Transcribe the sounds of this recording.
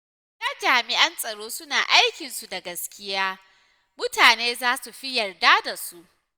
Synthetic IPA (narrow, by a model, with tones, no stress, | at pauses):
tɐ˦d͡ʒaː˨mɪ˨ʔɐ˦nsʼɐ˨ɽoː˦sʊ˦naː˨ʔa˦jkʲɪ˨nsu˨da˨ɡɐ˦skʲɪ˦jaː˦ | mʊ˦taː˨neː˦zaː˦su˨ɸi˦jɐ˨rdaː˦da˨su˦ʔ